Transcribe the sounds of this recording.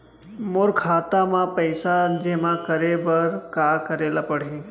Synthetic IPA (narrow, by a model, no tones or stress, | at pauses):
moɾkʰaːt̪amãpəɪsad͡ʒemãkəɾebəɾkaːkəɾeːlapɐɽ̤iː